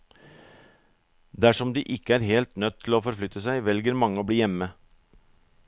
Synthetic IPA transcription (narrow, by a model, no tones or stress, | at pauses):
d̪æʂɔmd̪iːʔɪkːəæːɾheːlt̪nœt̪ʰːɪloːfɔɾflʏt̪əsæɪʋɛlɡəɾmɑŋːəoːbliːjɛmːə